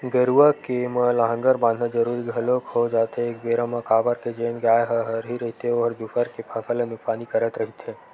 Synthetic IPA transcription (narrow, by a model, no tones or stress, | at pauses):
ɡəɾuəkeməlaɦə̃ŋɡəɾbãːnd̪ʱnad͡ʒɐɾuːɾiɡʱɐlokod͡ʒaːt̪eːk̚beːɾə̃mãkaːbəɾked͡ʒeːnɡaːjɦɐɦəɾɦiɾɐɦit̪eoɾd̪ufəɾkepʰɐfʰəlẽnʊksaːnikɐɾət̪ɾɐɦit̪ẽ